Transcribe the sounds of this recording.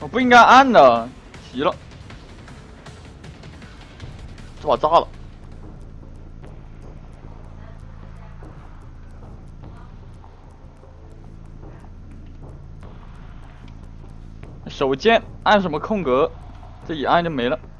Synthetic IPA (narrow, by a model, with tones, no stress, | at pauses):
wɔ˨˩pu˥˩i˥ŋka˥ɪʔa˥˩nd̪ə˨˩ | t̪ʰi˧˥lə˧ | t͡ɕo˥˩pa˨˩t͡sa˥lə̰˨˥ | ʂo˨˩ʊt͡ɕjɛ˥na˥˩nʂ̬ə˧˥nmə˧kʰʊ˥˩ŋkɤ˧˥ | ʈ͡ʂɤ˥˩i˨˩a˥˧nt͡ɕjo˥˩ʊme˧˥ɪlə˧